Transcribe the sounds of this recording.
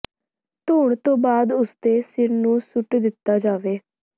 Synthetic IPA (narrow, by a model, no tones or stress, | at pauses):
t̪oːɳt̪õːbaːd̪ʊst̪eːsɪɾnũːsʊʈd̪ɪt̪ːaːd͡ʒaːʋeː